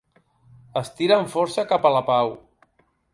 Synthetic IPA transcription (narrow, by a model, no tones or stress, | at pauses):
əst̪iɾəɱfɔɾsəkapəlapaw